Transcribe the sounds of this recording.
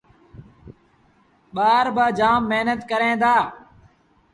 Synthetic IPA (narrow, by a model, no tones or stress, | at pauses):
ɓaːɾbaːd͡ʒaːmːeɦnət̪kəɾẽːd̪aː